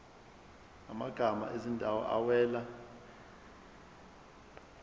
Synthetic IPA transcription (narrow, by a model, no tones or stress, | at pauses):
amaɡ̥ʱama̰ʔezindʱawɔ̰ʔawɛːla